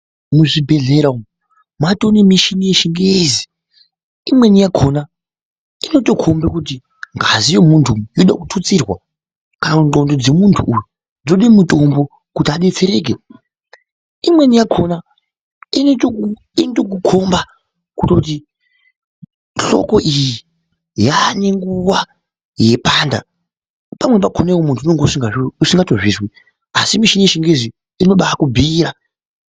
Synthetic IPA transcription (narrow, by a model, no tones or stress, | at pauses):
muʐibʱe̞ɮe̞ɾa | matonimiʃinije̞ʃiŋɡejezi̥ | imwe̞nijakʰona | ino̞to̞kʰo̞mbekut̬i | ŋɡazijo̞muntʰujoɗa̰kutʰut͡sirwa | kanaunto̞ndo̞d͡ze̞muntʰuʔːjo | d͡zoɗimuto̞mbo̞ | kutaɗet͡se̞ɾe̞ːk̬e | imwe̞nijakʰo̞na | ineto | intok̬ukʰo̞mba | kutot̬i | ɬo̞̰ko̞ʔiji | jane̞ŋɡuʋa | je̞paːnda̰ | pamwe̞p̬akʰo̞naewomuntʰunoŋɡeusiŋɡausiŋɡatoʐiːswi | asimiʃineʃiŋɡezi | inoɓaakubʱiːɾa